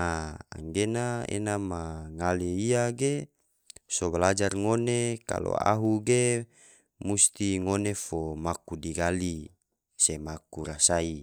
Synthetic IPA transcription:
aa̰ŋɡenaḛnamaŋaleiaɡe | sobalad͡ʒarŋoneka̰lo̰a̰ɦuɡe | must̪iŋonefomakudiɡali | semakuɾasai

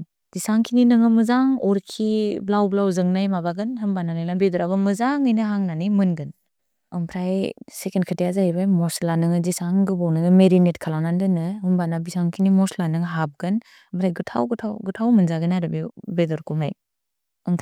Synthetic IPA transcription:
z̥isaŋkʰininɯŋɯmɯzaŋɔɾkʰiblawblawzɯŋnajmabaɡɯnɦɯmbananajnabedɔɾabɯmɯzaŋɯjnɯɦaŋnanimɯnɡɯn | ɯŋpʰɾajsekenkʰɯtijazaibajmɔslanɯŋɯzisaŋɡɯbɔwnɯŋɯmeɾinetkʰalawnandɯnɯumbanabisaŋkʰinimɔslanɯŋɦap̚ɡɯn | mpʰɾajɡɯtʰa̰wɡɯtʰawɡutʰawmɯnzaɡɯnaɾɯbebedɔɾkumaj | ɯŋpʰ

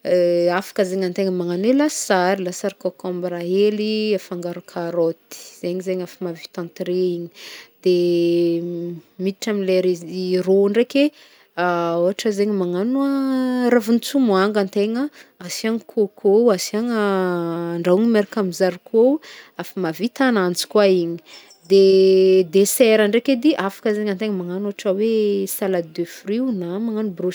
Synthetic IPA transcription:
afḁkəzeɲant̪eŋəmaŋanelasaɾilasaɾikokãmbɾaeliafaŋɡaɾukʰaɾot̪i̥z̥eɲizeɲafimavit̪ãnt̪ɾeiɲi̥d̪̥e | mit̪iʈ͡ʂamileɾezroɳɖ͡ʐekʲe | aoɦaʈ͡ʂəzeɲəmaŋanuaɾavunit͡sumuaŋɡant̪eŋəasiaŋkʰokʰowasiaŋə | ɳɖ͡ʐauŋimeɾakamizaɾkʰowafamavit̪anant͡si̥kwaiɲi̥ | d̪ed̪esɛɾaɳɖ͡ʐeked̪iʔafḁkəzeŋant̪eŋəmaŋanoaʈ͡ʂəwesalad̪efriwnamaŋanubro

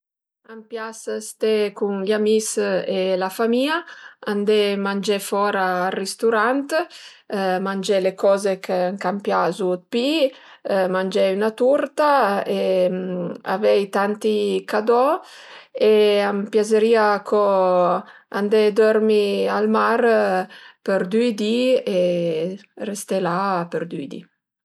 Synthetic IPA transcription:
ampjasst̪ekuŋʎamiselafamiːaand̪ɛmand͡ʒɛfɔɾaːrist̪uɾant̪ | mand͡ʒɛlekɔzekeaŋkampjazut̪̚pi | mand͡ʒɛynat̪uɾt̪ae | a̰vɛjt̪ant̪ikad̪ɔ | eampjazeɾiːakʰo | and̪ɛd̪ɔɾmialmaɾ | peɾd̪yjd̪ie | rest̪elapeɾd̪yid̪ḭ

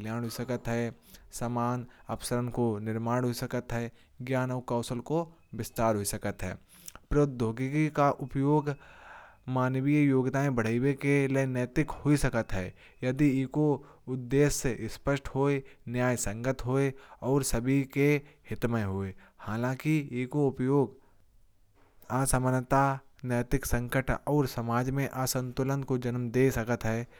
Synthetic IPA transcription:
ljaːñɦoisəkət̪ɦɛː | samaːnɐpsəɾənkonɪɾmaːɽ̃ɦoisəkət̪ɦɛː | ɡjaːnɔːɾkaːsəlko | bɪst̪aːɾɦoisəkət̪ɦɛ̰ː | pɾod̪ʱoːɡikikaʔʊpjoːɡ | maːnwijjoːɡt̪aːẽbɐɽ̤əiwekeleneːt̪ɪkhoisɐkət̪ɦɛː | jɐd̪iɪko | ʊd̪ːeːsːeʔɪspəʃʈhoːenjaːjsə̃ŋɡət̪ɦoːeɔːɾsɐbʱikehɪt̪məɦoːehaːlãkieːkoʊpjoːɡ | aːsəmənət̪anəːt̪ɪksə̃ŋkəʈɔːɾsɐmaːd͡ʒmẽʔaːsə̃nt̪ʊlənkod͡ʒənmd̪eːsɐkət̪ɦɛː

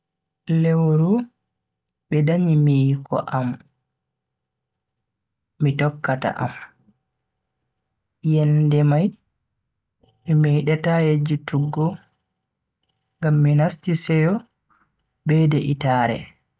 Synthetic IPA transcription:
lɛwoɾu | ɓɛdaɲimikɔ̰ʔam | itɔkːata̰ʔa̰m | jɛndɛmaj | mimɛiɗatajed͡ʒituɡːɔ | ŋɡamːinastisɛjɔ | bɛdɛʔitaːɾɛ̰

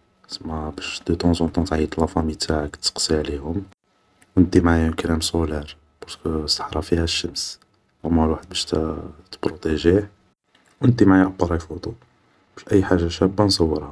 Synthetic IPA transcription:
səmːæbæʃd̪ət̪ɑ̃zɑ̃t̪ˤɑ̃t̪ʕit̪ˤlɑfæmit̪ʰaʕəkt̪ːə̥qsiʕlihʊm | wnd̪imʕajʊnkælæmsolæɾ | bɑɾˤskəsˤːə̥ħɾˤɑfihæʃːəms | ʔæmːælwaħəd̪̚bæʃt̪t̪ə̥bɾot̪eʒi | wnəd̪imʕajæʔɑbɑɾˤɑjfut̪ˤu | bæʃʔæjːħaʒːaʃæbːænsˤɑwːəɾhæ

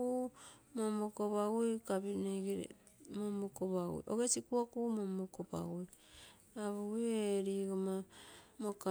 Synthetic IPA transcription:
umomokopaɡojkabineɡeɾḛ | momokopaɡo̰jʔo̰ɡesikuakumomokopa̰ɡoj | aβoɡieɾiɡomamoka

